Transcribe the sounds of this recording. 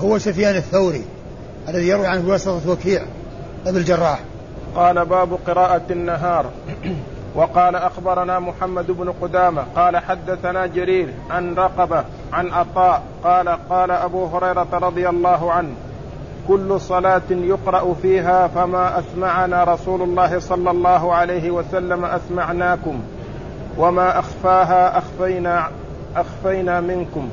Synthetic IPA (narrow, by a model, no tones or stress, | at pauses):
hʊwːasʊfjaːnɪθːawɾḭ | ʔalːaðijɑɾˤwiʕanwɑsˤɨt̪ˤɑwakiːʕ | ʔabɪld͡ʒɑrˤːɑːħ | qɑːlabaːbʊqɨɾaːʔaanːaɦɑːɾˤ | wɑqɑːlaʔaxbɑɾˤɑnaːmʊħamːad̪ɪbnʊqʊd̪aːmaqɑːlaħad̪ːaθanaːd͡ʒaɾiːɾ | ʕanɾˤɑqɑba | ʕanʔɑt̪ˤɑːʔ | qɑːlaqɑːlaʔabuːɦʊɾɑjɾˤɑt̪aɾˤɑd̪ˤɨjalˤːɑːɦʊʕanh | kʊlːʊsˤɑlaːt̪jʊqɾˤɑʔʊfiːɦaːfamaːʔasmaʕanaːɾˤɑsuːlʊlˤːɑːɦɪsˤɑlːɑlˤːɑːɦʊʕalajɦɪwasalːamaʔasmaʕnaːkʊm | wamaːʔaxfaːɦaːʔaxfajna | ʔaxfajnaːmɪnkʊm